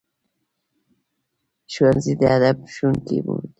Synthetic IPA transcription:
ʃwanzid̪ead̪abʃuŋkḭbṵd̪

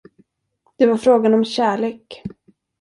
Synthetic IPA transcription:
d̪̥ɛvaɾfɾoːɡanɔmɕæːɭeːk

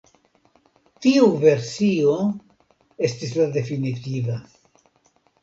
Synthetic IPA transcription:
tiuve̞ɾsio̞ | e̞stislade̞finitiva

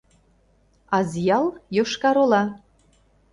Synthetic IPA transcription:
ɑzjɑlˠjoʃkɑɾolɑ

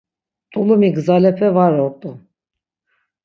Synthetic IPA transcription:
t̪ʰʼulumiɡɨzalɛpʰɛvaɾɔt̪ʼu

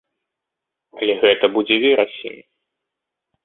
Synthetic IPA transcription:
ɐlʲɛɣɛt̪ɐbud͡zʲɛvʲiɾɐsʲḭnʲi

